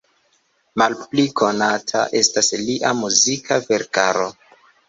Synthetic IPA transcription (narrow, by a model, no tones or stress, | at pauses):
malplikʰo̞natʰa̰ʔe̞stasliʔamuzikʰave̞ɾkaɾo